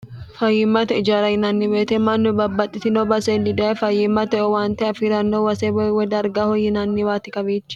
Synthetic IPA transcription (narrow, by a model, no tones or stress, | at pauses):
fɐjːɪmːɐt̪ɛɪd͡ʒaːɾɐjɪnɐnːɪbeːt̪ɛmɐnːʊbɐbːɐt̪ʼːɪt̪ɪnobɐseːnːɪd̪ɐfɐjːɪmːɐt̪ɛɔwaːnt̪ɛɐfiɾɐnːowɐsɛbɔwɛd̪ɐɾɡahɔjːɪnɐnːɪwaːt̪ɪkɐβiːt͡ʃː